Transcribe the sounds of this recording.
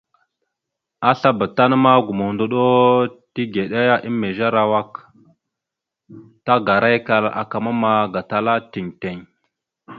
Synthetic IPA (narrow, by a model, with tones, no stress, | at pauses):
a˦ɬa˦ba˨ta˦n˦ma˦ɡu˨mo˨ndo˦ɗo˦ti˦ɡe˨ɗa˦ja˦ʔi˦mːe˨ʒa˦ɾa˨wa˦k | ta˦ɡa˨ɾa˦jka˨la̰˨ka˨ma˦ma˦˨ɡa˨ta˦la˦ti˨ŋte˨ŋ